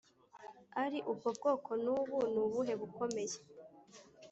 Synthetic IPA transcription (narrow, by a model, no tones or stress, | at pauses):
aɾiʔubɡobɡo̞ːkʰo̞nuːβunuβuɦe̞βuko̞me̞je